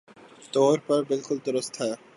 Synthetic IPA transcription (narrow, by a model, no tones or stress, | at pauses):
t̪oɾpaɾbelkult̪oɾost̪ʰa